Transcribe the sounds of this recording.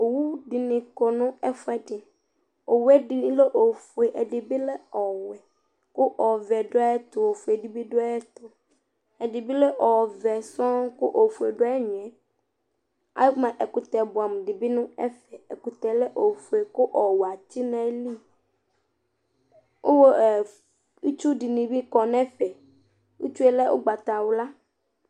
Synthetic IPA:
o˨wu˦ɖɪ˨nɪ̃˨kɔ˨nʊ̃˦ɛ˦fɛ˦dɪ˨ | o˨wɛ˦di˦le˦ʔo˨fu˨e˨ʔɛ˨dɪ˨bi˦lɛ˦ɔ˨wɛ˨ | kʊ˦ʔɔ˨vɛ˨ɖʊ˦a˦ɛ˦t̪ʊ˨o˨fu˨e˨di˦bi˦ɖʊ˦a˦t̪ɔ˨ | ɛ˨dɪ˨bi˦le˦ʔɔ˨vɛ˨sɔ̃˦kʊ˦ʔo˨fu˨e˨ɖʊ˦ɛ˦ɲʊ̃˨ɛ̃˨ | a̰˨jmã˨ʔɛ˨ku˨t̪ɛ˨bu˨a˨m˨ɖi˨bi˦nũ˦ɛ̰˦fɛ˨e˨ku˨t̪ɛ˨lɛ˦ʔo˨fu˨e˨ku˦ʔɔ˨wa˨ti˦nɛ̃˦li˦ | wʔo˦wo˦˨ | i˦t͡ʃu˦ɖi˨nĩ˨bi˦kɔ˨nɛ̃˦fɛ˨ | wṵ˦t͡ʃu˦e˦lɛ˦ʔo̰˦ɡ͡ba˨t̪a˨wo˨la˦

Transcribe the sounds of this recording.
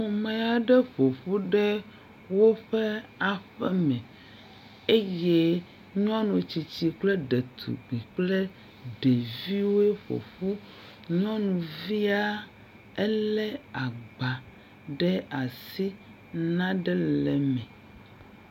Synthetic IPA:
mo˨mɛ̃˨a˨ɖɛ˦ɸo˨ɸu˦ɖɛ˦ | wo˦ɸɛ˦a˨ɸɛ˦mɛ̃˨ | e˦je˦ | ɲ˦ɔ̃˦nũ˨t͡ɕi˨t͡ɕi˨k͡plɛ˦ɖe˨t̪ʰṵ˨ɡ͡bi˨k͡ple˦ | ɖe˨vi˦wo˦e˦ɸo̰˨ɸu˦ | ɲɔ̃˦nũ˨vi˦a˦ | ɛ˦lɛ˦a˨ɡ͡ba˨ | ɖɛ˦a˨si˦ | nã˦ɖɛ˦lɛ˨mɛ̃˨

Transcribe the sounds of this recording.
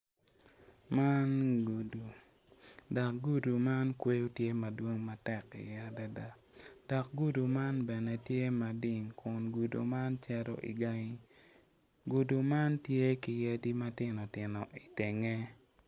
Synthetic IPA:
ma˦nɡu˨du˨ | da˨k̚ɡu˦du˨ma˦nkwe˦u˦tje˦mɐ˨dwo˦ŋma˨tɛ˦˨kḭ˨ja˦da˦da˦ | d̥ɔ˨k̚ɡu˦du˨ma˦nbɛ˨nɛ˨tje˦ma˨dɪ˦˨ŋkʰʊ˨nɡu˨dṵ˨ma˦nt͡ʃɛ˦ɾɔ̰˦ʔḭ˨ɡa˦ŋi˦ | ɡu˨du˨ma˦ntje˦ki˨je˦di˦ma˦tɪ˦nɔ˨tɪ˨nɔ˨ʔi˨te˨ŋe˦

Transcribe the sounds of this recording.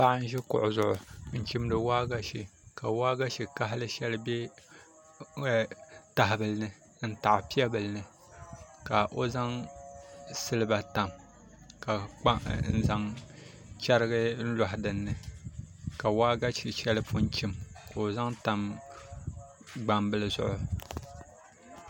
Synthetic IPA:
ba˦ʔn̩˦ʒɛ˦kʊ̰˨ʔʊ˨zʊ˨ʔʊ˨n̩˦t͡ʃi˦mdɨ˨waː˦ɡa˦ʃi˨ka˨waː˦ɡa˦ʃi˨ka˦ɦlɨ˦ʃɛ˦lɨ˦bɛ˦˨ | ta˨ɦbɨ˨lɨ˦nɨ˨ | n̩˦ta˨ʔpi˦ɛ˦bɨ˨lɨ˦nɨ˨ | ka˨ʔo˦za˦ŋ | sɨ˦lɨ˦ba˨ta˨m | ka˨k͡pa˦n̩˦za˦ŋ | t͡ʃɛ˦ɾɨ˦ɡɨ˦n̩˦lɔ˨ɦdɨ˨nːɨ˨ | ka˨waː˦ɡa˦ʃi˨ʃɛ˦lɨ˦pʰʊ˦nt͡ʃi˦mka˨o˨za˦ŋta˨m | ɡ͡ba˨mbɨ˦lɨ˦zʊ̰˦ʔʊ˨

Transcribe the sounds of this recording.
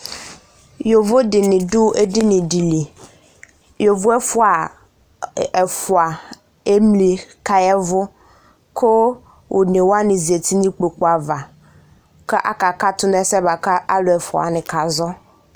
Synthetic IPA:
jo˨vʊ˦dɪ˨nɪ̃˨ɖʊ˦e˦dɪ˦nɪ̃˨di˨li˨ | jo˨vʊ˦ɛ˦fʊ˦a˨ | ɛ˨fʊ˨a˨ | e˦mli˨ka˦jɛ˦vʊ˦ | kʰʊ˦ | wʔo˨nẽ˨wo˦a˦nɪ̃˨zi˨e˨t̪ʰi˦nĩ˦k͡po˨k͡po˦a˨va˨ | kɛ˦ʔa̰˦ka˨ka˦t̪ʊ˦n˦ɛ̃˦sɛ˦ba˨ka˦ʔa˦lʊ˨ɛ˨fʊ˨a̰˨nɪ̃˨ka˨zɔ˦

